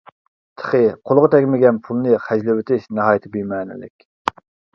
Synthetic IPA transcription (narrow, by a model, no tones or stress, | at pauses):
t̪ʰə̥χəqʰolˠʁət̪ʰɛkʲmɪɡʲɛnpʰulˠnɨχæd͡ʒlɪwɪt̪ʰɪʃnɑɦɑːjt̪ʰɪbyjmɛːnɪ̰lɪ̰kʲ